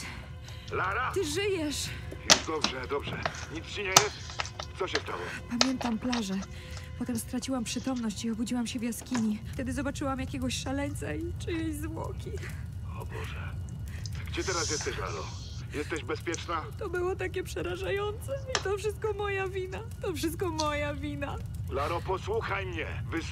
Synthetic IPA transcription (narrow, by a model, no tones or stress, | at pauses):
laɾat̪ɘʐɘjɛʂjɛd̪ɔbʐɛd̪ɔbʐɛɲit̪st͡ɕiɲɛjɛst̪t̪sɔɕɛft̪a̰wɔ̰pamʲjɛnt̪amplaʐɛ | pɔt̪ɛmst̪ɾat͡ɕiwampʂɘt̪ɔmnɔɕt͡ɕiɔbud͡ʑiwamɕɛvʲjaskʲiɲit̪ɛd̪ɘzɔbat͡ʂɘwamjakʲɛɡɔɕʂalɛɲʲt̪sait͡ʂɨjezvwɔ̰kʲi | ɔ̰bɔ̰ʐɛ | ɡd͡ʑɛt̪ɛɾasjɛst̪ɛɕla̰ɾɔ̰ | jɛst̪ɛʑbɛspʲjɛt͡ʂnat̪ɔbɘwɔt̪akʲɛpʂɛɾaʐajɔnt̪sɛit̪ɔfʂɘst̪̚kɔmɔjavʲinat̪ɔfʂɘst̪kɔmɔjavʲina | laɾɔpɔswuxajmɲɛ̰ | vɘs